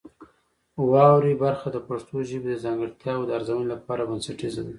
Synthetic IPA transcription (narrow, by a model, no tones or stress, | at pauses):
wɑwɾibaɾxad̪əpaʂt̪oʒəbed̪əzɑŋɡəɽt̪jɑd̪əaɾzawənolapɑɾabansaʈizawi